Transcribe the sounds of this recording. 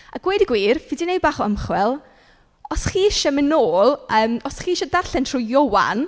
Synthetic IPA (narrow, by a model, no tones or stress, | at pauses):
aɡ̥weːdiɡwiːrvɪdinej̚baːχɔəmχwɛlˠ | ɔsχiːʃamɪnoːlˠəːmɔsχiːʃɔdarɬɛntʰrujɔwa̰n